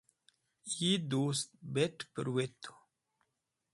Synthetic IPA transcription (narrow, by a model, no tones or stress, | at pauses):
id̪oːst̪beʈpəɾwet̪ʰo̥